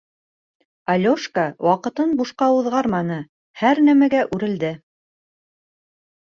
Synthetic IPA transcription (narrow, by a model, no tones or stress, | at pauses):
ɑlʲoʃkawɑqɤ̆t̪ɤnbuʃqɑuðʁɑɾmɑn̪ɤ | hæɾnæmæɡæʔʉɾɘ̆ld̪ɘ